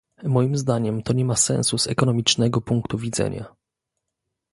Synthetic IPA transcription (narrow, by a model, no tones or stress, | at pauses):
mɔjimzd̪aɲɛmt̪ɔɲɛmasɛ̰̃ñsuz̥ɛ̰kɔnɔmʲit͡ʂnɛɡɔpuŋkt̪uvʲid̪zɛ̰ɲa̰